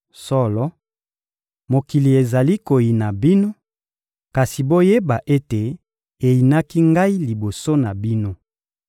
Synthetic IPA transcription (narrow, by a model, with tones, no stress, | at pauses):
sɔ˦lɔ˨˦ | mo˨ki˨li˨e˨za˨li˦ko˨ji˨na˨bi˦no˦ | ka˨si˨bo˦je˦ba˨ʔe˦te˨ | e˨ji˨na˦ki˦ŋɡa˦i˦li˨bo˨so˦na˨bi˦no˦